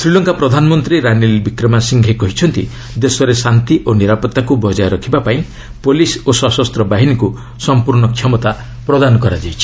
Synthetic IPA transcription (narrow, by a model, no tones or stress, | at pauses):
sɾilɔŋkapɾɔd̪ʱanɔmɔnt̪ɾiɾanilbikɾɔmasiŋɡʱekɔɦit͡ʃʰɔnt̪ḭ | d̪esɔɾesant̪iʔoniɾapɔt̪ːakubɔd͡ʒajɾɔkʰibapaĩ | polisosɔsɔst̪ɾɔbaɦiniku | sɔmpuɾɳɔkʰjɔmɔt̪a | pɾɔd̪anɔkɔɾad͡ʒajt͡ʃʰi̥